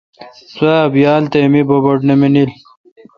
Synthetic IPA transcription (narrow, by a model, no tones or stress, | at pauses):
saːbjaːlt̪emibobɐʈneminil